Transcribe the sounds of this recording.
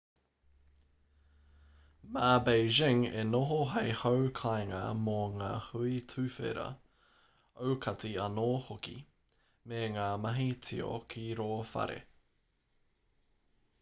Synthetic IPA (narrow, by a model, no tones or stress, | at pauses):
maːbeɪʒɪŋḛnoɦoɦejhowkʰajŋɐ̰moŋaːhuitʰʉfḛɾɐ̰ | owkʰɐt͡siɐnoːhokḭ | meŋaːmɐɦit͡sʰio̰kʰiɾoːfɐ̰ɾḛ